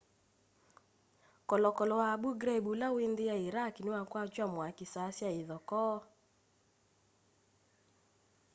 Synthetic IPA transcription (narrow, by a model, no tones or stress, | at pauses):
kɔlɔkɔlɔwabuɡɾɛbulawendɪaeɾakinewakwat͡ʃwamwakɪsasjaeðɔkɔ